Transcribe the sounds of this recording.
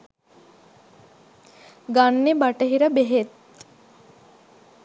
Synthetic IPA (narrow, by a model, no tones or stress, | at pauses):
ɡanːebaʈəɦiɾəbeɦet̪̚